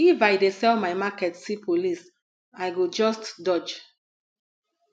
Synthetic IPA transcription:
ifajdesɛlmajmakɛtsipʰolis | ajɡod͡ʒɔstdɔd͡ʒ

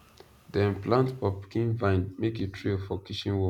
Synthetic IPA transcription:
dɛ̃nplãntpɔpkĩnvãɪ̃nmeketʰɹiɔfɔkʰiʃĩnwɔ

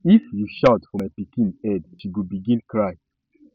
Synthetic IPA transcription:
ifjuʃaʊtfɔmajpikĩnɛdʃiwubiɡĩnkʰɹaj

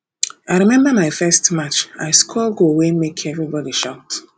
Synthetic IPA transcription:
aɪɹimɛ̃mbəmaɪfɛstmat͡ʃa̰ɪskʰɔlɡowemekʰɛvɹibɔdiʃaʊt

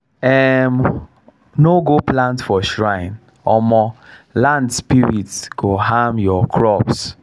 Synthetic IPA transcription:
ɛm | noɡoplãntfɔʃɹãɪ̃n | ɔmɔlãndspiɹitskoɦãmjɔkʰɹɔps

